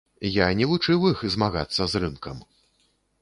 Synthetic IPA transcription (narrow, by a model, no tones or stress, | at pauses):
janʲɛlut͡ʂɨwixzmaɣa̰t̪sːɐzrɨnkɐm